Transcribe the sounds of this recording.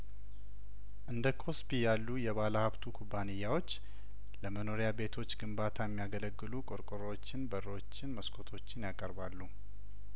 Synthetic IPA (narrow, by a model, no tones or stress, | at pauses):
ʔɨnd̪əkʰo̞spijalːujɛβaləhaβt̪ʰukʰubːanɨjːawo̞t͡ʃː | ləməno̞ɾijabe̞t̪ʰo̞t͡ʃːɡɨmbat̪ʰajɛmːijaɡələɡːɨlukʼoɾkʼɨɾowot͡ʃːɪnbərəwot͡ʃːɪnməskʰo̞t̪ʰo̞t͡ʃːɪnjakʼəɾbalːu